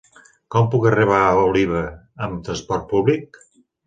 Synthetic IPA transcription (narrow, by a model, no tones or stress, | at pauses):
kɔmpukəriβ̞auliβ̞əː | mt̪ɾənspɔɾt̪̚puβlik̚